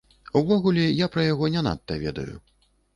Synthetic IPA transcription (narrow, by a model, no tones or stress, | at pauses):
wvɔɣulʲɛjapɾɐjaɣɔnʲɛna̰t̪ːɐvʲɛ̰d̪ɐ̰jṵ